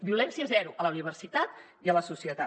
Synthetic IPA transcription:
biulɛnsiəzɛɾuʔələuniβ̞ərsit̪at̪ | iələsusiət̪a

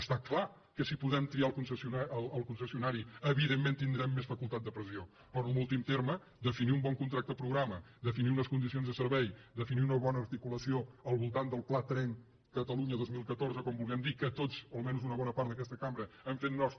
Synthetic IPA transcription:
əst̪akla | kəsipuðɛmt̪ɾialˠkunsəsunaələlˠkunsəsiunaɾiəβiðemːent̪ind̪ɾɛmːesfəkulˠt̪at̪̚d̪əpɾəsio | pɾɔnəlˠulˠt̪imt̪eɾmə | d̪əfiniumbɔŋkunt̪ɾak̚t̪əəpɾuɣɾamə | d̪əfiniunəskund̪isionzðəsəɾβɛjd̪əfiniunəβɔnəːɾt̪ikuləsioəlˠβulˠt̪and̪əlˠplat̪ɾɛŋ | kət̪əluɲəðozmilˠkət̪oɾzəkɔmbulˠɣɛmd̪ikət̪ozəlmɛnuzunəβɔnəpaɾt̪ək̬ɛst̪əkambɾəəɱfet̪nɔs

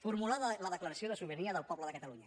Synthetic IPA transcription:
fuɾmulaðələðəkləɾəsioðəsuβəɾiəðəlˠpɔβləðəkət̪əluɲə

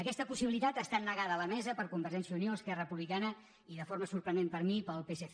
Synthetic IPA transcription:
əkɛst̪əpusiβilit̪at̪əst̪anːəɣaðəːləmɛzəpəɾkumbəɾʒɛnsjəunioəskɛrəpuβlikanə | iðəfoɾməsuɾpɾənd̪empəɾmipəlˠpesef

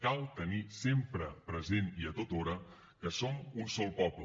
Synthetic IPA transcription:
kalˠt̪ənisempɾəpɾəzeniət̪ot̪oɾə | kəsomunsɔlˠpɔblə

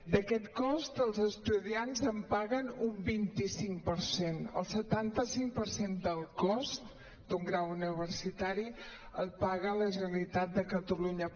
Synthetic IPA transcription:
d̪əkɛt̪kɔst̪əlˠzəst̪uðianzəmpaɣənumbint̪isiŋpəɾsenə̰lˠsət̪ant̪əsiŋpəɾsend̪əlˠkɔst̪ | d̪̥uŋɡɾawuniβ̞ərsit̪aɾi | əlˠpaɣələʒəəlit̪at̪̚d̪əkət̪əluɲə

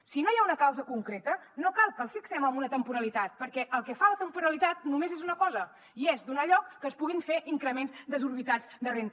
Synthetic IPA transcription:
sinojaunəkawzəkuŋkɾet̪ə | nokalˠkəlˠsfiksɛməmbunət̪əmpuɾəlit̪at̪̚pəɾkɛʔəlˠkɛfalət̪əmpuɾəlit̪at̪̚numezezunəkɔzə | iezd̪unaʎɔkːəspuɣ̞iɱfeʔiŋkɾəmenzd̪əzuɾβit̪ad͡zd̪ərent̪

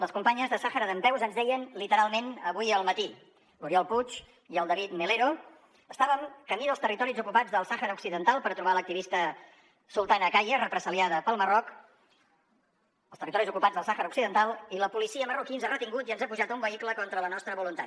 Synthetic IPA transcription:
ləskumpaɲəzðəsaxəɾəðəmpɛwzənzðɛjənlit̪əɾalˠmenəβujəlˠmət̪i | luɾiɔlˠput͡ʃ | iəlˠd̪əβit̪meleɾo | əst̪aβəŋkəmiðəlˠst̪ərit̪ɔɾizukupad͡zðəlˠsaxəɾəuksiðənt̪alˠpəɾt̪ɾuβalək̚t̪iβist̪ə | sulˠt̪anəkajərəpɾəsiliaðəpəlˠmərɔk | əlˠt̪ərit̪ɔɾizukupad͡zzðəlˠsaxəɾəuksiðənt̪alˠiləpulisiəmərukinzarət̪iŋɡut̪iənzapuʒat̪əumbəikləkɔnt̪ɾələnɔst̪ɾəβulunt̪a̰

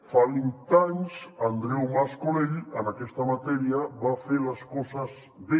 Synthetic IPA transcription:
falint̪aɲsand̪ɾewmaskoneʎanakest̪amat̪ɛɾjaβafeɾaskosaz | ðe

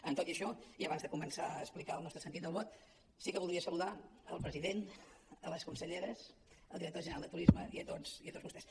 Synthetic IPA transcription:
ənt̪ot̪iəʃɔiəβanzðəkumənsaːsplikalˠnɔst̪ɾəsənt̪it̪̚d̪əlˠβɔt̪̚ | sikəβulˠd̪iəsəluðaəlˠpɾəziðen | ələskunsəʎeɾəs | əlˠiɾək̚t̪oʒənəalˠd̪ət̪uɾizməḭət̪oziət̪odzβust̪ɛs

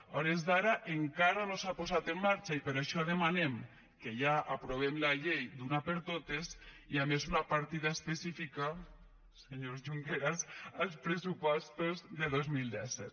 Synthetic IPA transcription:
ɔɾezðaɾaʔeŋkaɾanosapozat̪emːaɾt͡ʃaipeɾaʃɔðemanem | keʎaʔapɾoβ̞emlaʎejd̪unapeɾt̪ot̪es | iamezunapaɾt̪iðaespesifika | seɲozʒuŋkeɾasalˠspɾesupɔst̪ozðeðozmilˠd̪ɛsɛt̪

